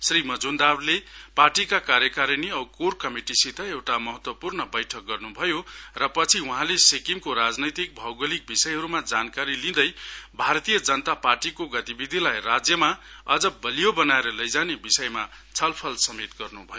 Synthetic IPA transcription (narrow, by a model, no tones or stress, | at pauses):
srimʌd͡zund̪arleparʈikakaɾjʌkaɾjʌniʌbkorkʌmiʈisit̪ʰʌewʈamʌɦʌt̪wʌpurnʌbʌjʈʰʌk̚ɡʌrnubʱʌjorʌpʌt͡sʰiuɦãlesekiŋkoɾad͡znʌjt̪ik̚bʱʌwɡʌlik̚bisʌjɦʌɾumad͡zankaɾilĩd̪ʌjbʱaɾʌt̪ijʌd͡zʌnʌt̪aparʈikoɡʌt̪ibid̪ʱilajrad͡zjʌmaʌd͡zʌbʌlijobʌnaeɾʌlʌjd͡zanebisʌjmat͡sʰʌlpʰʌlsʌmet̪ɡʌrnubʱʌjo